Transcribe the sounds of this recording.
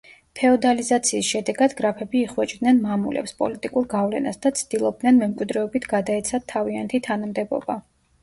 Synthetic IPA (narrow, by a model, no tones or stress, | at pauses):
p̪ʰɛɔd̪alizat̪sʰiːsʃɛd̪ɛɡad̪ɡɾapʰɛbiːχwɛt͡ʃʼd̪nɛnmamṵlʔɛ̰pspʼɔ̰lit̪ʼikʼuɾɡavlɛ̰na̰sd̪at̪sʰd̪̥ilˠɔb̚d̪nɛnmɛmkʼwid̪ɾɛɔbit̪ʰɡ̥ad̪aɛt̪sʰat̪ʰːaviant̪ʰit̪ʰanamd̪ɛbɔ̰ba